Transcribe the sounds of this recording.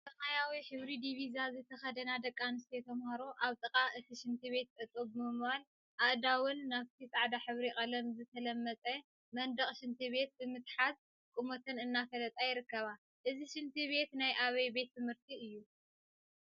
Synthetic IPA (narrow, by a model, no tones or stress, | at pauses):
t̪ɐfajawiħɨβɾid̪iβizazɨt̪ʰɐxɐd̪ɐnad̪ɐkʼːanɨst̪ʰet̪ʰɐmhɐɾoʔaβt̪ʼɨkʼaʔɨt̪ʰiʃɪnt̪ʰiβe̞t̪̚tʼɐt̪ʼobɨmɨmbal | ʔaʔd̪awʊnːaβt̪ʰisʼaʕd̪aħɨβɾikʼɐlɐmzɨt̪ʰɐlɐmːɐt͡s̪ʼɐ | mɐnd̪ɐχʼʃɪnt̪ʰiβe̞t̪̚bɨmɨt̪ħat̪ | kʼumot̪ʰɐnɨnːafɐlɐt̪ʼajɪɾɨkːɐβa | ʔɨziʃɪnt̪ʰiβe̞t̪najʔaβɐjbe̞t̪ʰːɨmhɨɾt̪ʰiɨjːu